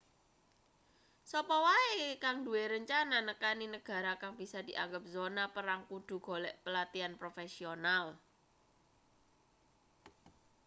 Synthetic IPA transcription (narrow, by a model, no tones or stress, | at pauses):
sɔpɔwaekaŋd̪ṳeɾəɲt͡ʃananəkaninəɡ̥a̤ɾakaŋb̥isad̪̥i̤ʔa̰ŋɡəp̚zonapəɾaŋkud̪̥ṳɡ̥ɔ̤lɛʔpəlat̪ianpɾofesional